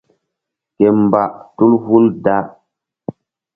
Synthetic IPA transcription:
ke˨m˨ba˨ʔtu˦lhu˦lda˦ʔ

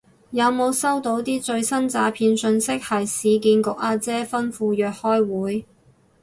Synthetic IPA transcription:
jɐ˨˧wmo˨˧wsɐ˥wt̪o˨˥wt̪iː˥t͡sɵ˧ɥsɐ˥nt͡saː˧pʰiː˧nsɵ˧nsɪ˥k̚hɐ˨jsiː˨˧kiː˧nkʊ˨k̚ʔaː˧t͡sɛː˥fɐ˥nfuː˧jœː˨k̚hɔː˥jwuː˨˥j

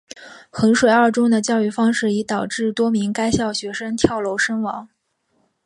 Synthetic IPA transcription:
xɤ˧˥ŋʂwe˨˩ɪə˞˥˩ʈ͡ʂʊ˥ŋd̪ə˨t͡ɕjɑ˥˧ʊy˥˩fɑ˥ŋʂɻ̩˥˩i˧˥t̪ɑ˨˩ʊʈ͡ʂɻ̩˥˩t̪wɔ˥mi˧˥ŋka˥ɪɕjɑ˥˩ʊɕɥɛ˧˥ʂə˥ŋt̪ʰjɑ˥˩ʊlo˧˥ʊʂə˥ŋwɑ̰˧˥ŋ

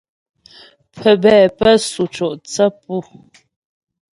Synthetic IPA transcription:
pʰə˨bɛː˨pə˦su˨t͡ʃɔ˨ʔt͡sə˦pu˦˨

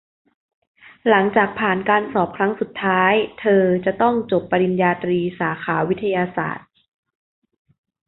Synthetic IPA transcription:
la˩˦ŋt͡ɕaː˨˩k̚pʰaː˨˩nkaː˧nsɔː˨˩p̚kʰɾa˦˥ŋsu˨˩t̪ʰːaː˦˥jt̪ʰɤː˧t͡ɕa˨˩t̪ɔ˥˩ŋt͡ɕo˨˩pːa˧ɾi˧njaː˧t̪ɾiː˧saː˩˦kʰaː˩˦wi˦˥t̪ʰːa˧jaː˧sa̰ː˨˩t̪̚

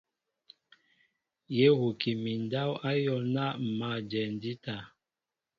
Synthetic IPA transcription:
je˦hu˨ki˨mi˨n˨da˦wa˦jɔ˦˨na˦˨ma˦˨d͡ʒɛ˨n˦di˦ta˨

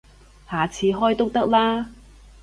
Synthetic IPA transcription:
haː˨t͡sʰiː˨˧ɦɔː˥jt̪ʊ˥k̚t̪ɐ˥k̚laː˥

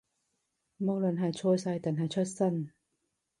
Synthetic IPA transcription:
mɔ˧lɔ˨˩nɦaː˨˩t͡ɕʰoː˧saː˧jt̪a˨nɦaː˨˩t͡ɕʰɔ˧˥˩sa˥˧˩n

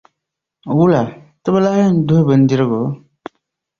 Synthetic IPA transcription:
wu˦la˨ | tə˦bə˦la˦n˦du˦e˦bə˨n˦di˦ɾə˦ɡo˨˦

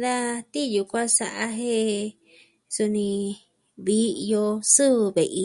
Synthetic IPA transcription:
ða˦t̪i˦˨ju˧kʷã˦sa˧ʔa˧ɦe˦ | su˧nĩ˧ | βi˦˧jo˧sɨ˦βɨ˧βe˨ʔi˧

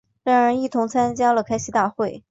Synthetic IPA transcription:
ɻa˥˩ə˧˥i˥˩t̪ʰʊ˧˥ŋt͡sʰa˥nt͡ɕja˥lə˨kʰa˥ɪɕʰi˧˥t̪a˥˧xwe˥˩ɪ

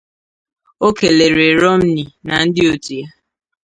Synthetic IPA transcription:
o˦ke˨le˨ɾe˨ɾɔ˦m̩˦ni˨na˨n̩˦dɪ˦o˨tu˨ja˦

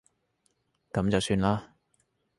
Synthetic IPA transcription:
kɐ˨˥mt͡sɐ˨wsyː˧nlaː˥

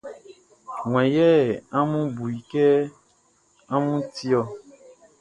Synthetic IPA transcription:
ŋw̃ɛ̃˨jɛ˦˨ã˦mũ˦bu˨i˨kɛ˦ | a˦mũ˦ti˦ɔ˧

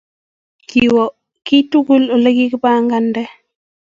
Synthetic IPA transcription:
ki˨wɔ˨ | ki˦tu˦ɡu˦lo˨le˦ɡi˦kba˦ŋɡa˦ndɛ˦

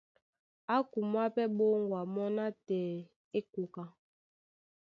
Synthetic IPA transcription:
a˦ku˨mwa˦pɛ˦ɓo˦ŋɡwa˨mɔ˦na˦tɛː˨ | e˦ku˨ka˨

